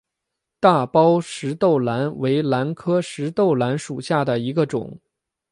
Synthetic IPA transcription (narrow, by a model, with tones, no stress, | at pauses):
t̪a˥˩pɑ˥ʊʂɻ̩˧˥t̪o˥˩ʊla˧˥nwe˧˥ɪla˧˥nkʰɤ˥ʂɻ̩˧˥t̪o˥˩ʊla˧˥nʂu˨˩ɕja˥˩d̪ə˩i˧˥ɡə˧ʈ͡ʂʊ̰˨˩˦ŋ